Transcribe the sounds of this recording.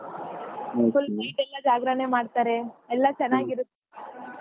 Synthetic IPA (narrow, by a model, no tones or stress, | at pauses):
pulpejʈɛlːɐd͡ʒaːɡɾanemaːɖt̪aːɾeɛlːɐt͡ʃɛnːaːɡiɾut̪ːe